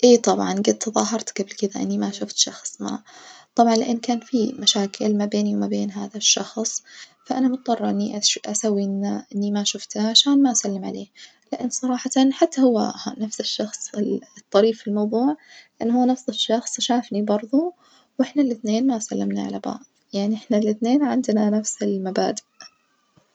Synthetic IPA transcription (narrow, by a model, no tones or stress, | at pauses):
ʔeːt̪ˤɑbʕɑnɡɪd̪̚t̪ðˤɑːɦɑɾˤt̪ɡ̥ablkɪd̪aʔɪ̰nːimaʃʊft̪ʃɑxsˤma̰t̪ˤɑbʕɑnlɪʔanːkaːnfimaʃaːkʰɪlmabeːniwmabeːnɦaːðaʃːɑxsˤfaʔanamʊt̪̚ˤd̪ˤɑrˤːɑʔɪnːiʔaʔasawːiʔɪnʔɪnːimaʃʊft̪aʕaʃaːnmaʔasalːɪmʕa̰leː | lɪʔanːsˤɑɾˤɑːħɑt̪nħat̪ːahʊwːa̰nafsɪʃːɑxsˤɪt̪ˤːɑɾiːffilmawðˤuːʕlɪʔanːhʊwːnafsɪʃːɑxsˤʃaːfnibɑɾˤðˤu | wʔɪħnalɪθneːnmaʔsalːɪmnaʕa̰laba̰ːʕdˤjaʕniʔɪħnalɪθneːnʕɪnd̪nanafsɪlmabaːd̪ɪʔ